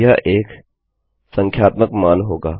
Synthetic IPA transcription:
jaʔeːk | sə̃ŋkʰjaːt̪məkmaːnɦoːɡaː

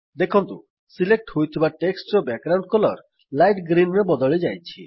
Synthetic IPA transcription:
d̪ekʰɔnt̪u | silek̚ʈhojt̪ʰibaʈeksʈɾɔbɛk̚ɡɾawɳɖ̚kɔlɔɾ | lajʈɡɾinɾebɔd̪ɔɭid͡ʒajt͡ʃʰi

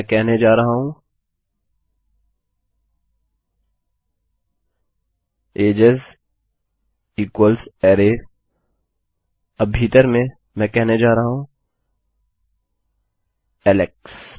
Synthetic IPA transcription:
kɛɦned͡ʒaːɾɐɦaɦũ | eːd͡ʒəz | iːkwəlsɛːɾe | ɐbʱiːt̪əɾmẽ | mɛ̃ːkɛɦned͡ʒaːɾɐɦaɦũ | ɛːleks

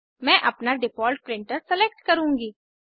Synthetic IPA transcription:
mɛ̃ːʔɐpnaɖɪpʰɔːlʈ̚pɾɪ̃ɳʈəɾsɛleːk̚ʈkɐɾũːŋɡiː

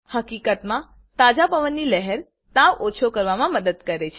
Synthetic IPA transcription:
həkikət̪mã | t̪ad͡ʒapəʋənːiləɦɛɾ | t̪ãʋot͡ʃʰokəɾʋamãməd̪əd̪kəɾet͡ʃʰe

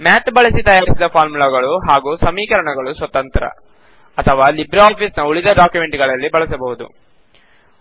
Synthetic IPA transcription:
maːt̪bɐɭɐsit̪ɐjaːɾisid̪ɐpʰaːɾmulaɡɐɭuɦaːɡuːsɐmiːkɐɾɐɳɐɡɐɭusʋɐt̪ɐnt̪ɾɐ̰ | ɐt̪ʰɐʋaːlibɾaːpʰiːsnɐuɭid̪ɐɖaːkjume̞ɳʈɡɐɭɐlːibɐɭɐsɐbɐɦud̪ṵ

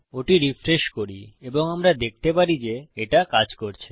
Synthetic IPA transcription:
oʈiɾifɾeʃkoɾieboŋamɾad̪ek̚t̪epaɾid͡ʑeeʈakad͡ʑkoɾt͡ɕʰe̥

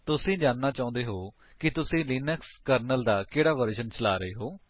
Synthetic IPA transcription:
t̪ʊsĩːd͡ʒaːnːaːt͡ʃaːʊ̃nd̪eːɦoː | kɪt̪ʊsĩːliːnəkskəɾnəld̪aːkeːɽaːʋəɾʃənt͡ʃəla̰ːɾəeːɦoː

